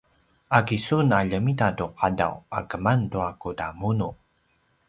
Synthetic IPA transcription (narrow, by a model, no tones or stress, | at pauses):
akisunaʎəmitatuqada̰wa̰kəmantuakudamunu